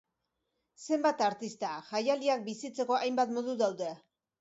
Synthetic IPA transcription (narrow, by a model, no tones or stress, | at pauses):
se̞mbat̪aɾt̪ist̪aʝajaliak̚bisit͡se̞ko̞ʔajmbat̪mo̞ðuðawðe̞